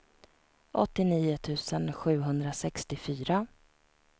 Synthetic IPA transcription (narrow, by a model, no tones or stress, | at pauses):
ʔɔ̰t̪ːɪniːʊt̪ʰʉ̟ːsənɧʉ̟ːɦɵnd̪ɾasɛkst̪ɪfyːɾa